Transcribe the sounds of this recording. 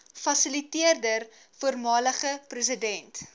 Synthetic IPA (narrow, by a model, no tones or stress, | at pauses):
fɐsəlitiərdər | fuərmɑːləχəprəs̬ədɛnt